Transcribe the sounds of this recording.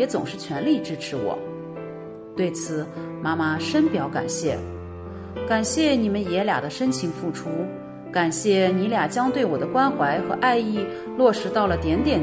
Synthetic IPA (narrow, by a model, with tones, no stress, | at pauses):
ɛ˧˥t͡sʊ̰˨˩ŋʂɻ̩˥˩t͡ɕʰɥɛ˧˥nli˥˩ʈ͡ʂɻ̩˥ʈ͡ʂʰɻ̩˧˥wɔ̰˨˩˦ | t̪we˥˩ɪt͡sʰɹ̩˨˩˦ | ma˥ma˧ʂə˥npjɑ˧˥ʊka̰˨˩nɕjɛ̰˥˩ | ka˨˩nɕjɛ˥˩ni˨˩mə˦njɛ˧˥lja̰˨˩d̪ə˦ʂə˥nt͡ɕʰi˧˥ŋfu˥˩ʈ͡ʂʰu˥ | ka˨˩nɕjɛ˥˩ni˧˥lja˨˩t͡ɕjɑ˥ŋt̪we˥˩ɪwɔ˨˩d̪ə˦kwa˥nxwa˧˥ɪxɤ˧˥ʔa˥˧ɪi˥˩ | lwɔ˥˩ʂɻ̩˧˥t̪ɑ˥˩ʊlə˩t̪jɛ˧˥nt̪jɛ˨˩n